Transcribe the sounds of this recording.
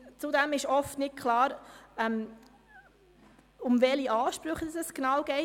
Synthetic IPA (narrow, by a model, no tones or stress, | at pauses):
t͡sʊdɛmɪʃɔftnɪt̚kʰlɑːɾɛm | ʊmvɛliʔɑːʃpɾʉχədəsɛsknɑwɡ̥ɛɪ